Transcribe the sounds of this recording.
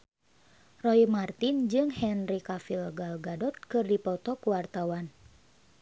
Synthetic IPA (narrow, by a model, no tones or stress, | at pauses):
rɔimart̪ind͡ʒɨŋhɛnrikafilɡalɡadɔt̪̚kɨrdipɔt̪ɔkuwart̪awan